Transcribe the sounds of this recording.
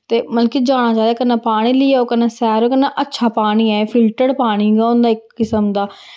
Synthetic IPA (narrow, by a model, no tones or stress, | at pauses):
t̪eːməlkiːd͡ʒaːɽ̃ãːt͡ʃaːd̪ɛːkənːãːpaːɽ̃iːlɪiːɛːoːkənːãːsɛːɾoːkənːãːʔətːʃʰaːpaːɽ̃iːɛːpʰɪlʈəɽpaːɽ̃iːɡaːʊnd̪aːɪkːɪsəmd̪aː